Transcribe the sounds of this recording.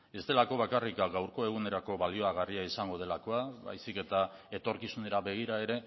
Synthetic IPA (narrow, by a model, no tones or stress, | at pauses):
e̞st̪e̞lako̞β̞akarikaɡawɾko̞e̞ɣ̞une̞ɾako̞βalio̞aɣ̞ariaisaŋɡo̞ð̞e̞lako̞aβa̰jsike̞t̪a | e̞t̪o̞ɾkisune̞ɾaβe̞ɣ̞iɾae̞ɾe̞